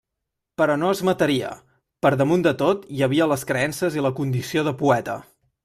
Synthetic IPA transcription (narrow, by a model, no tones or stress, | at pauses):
pəɾɔnoəzmət̪əɾiə̰ | pəɾðəmund̪ət̪ot̪jəβ̞iələskɾəɛnsəziləkund̪isioðəpuɛt̪ə̰